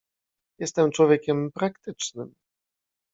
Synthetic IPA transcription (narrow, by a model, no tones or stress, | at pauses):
jɛst̪ɛmt͡ʂwɔvʲjekʲɛmpɾakt̪ɘt͡ʂnɘm